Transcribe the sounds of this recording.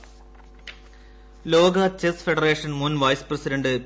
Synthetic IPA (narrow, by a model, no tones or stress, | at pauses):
loːɡɐt͡ɕesfeɖɐreːʂɐnmunʋɐjsprɐsidɐɳɖɨ